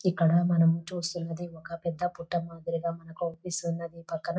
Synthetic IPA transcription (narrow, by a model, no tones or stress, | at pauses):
ikːɐɽɐmɐnɐmut͡ʃuːsunːɐd̪iɔkɐpɛd̪ːɐpuʈːɐmaːd̪iɾiɡɐmɐnɐkuopisunːɐd̪ipɐkːɐnɐ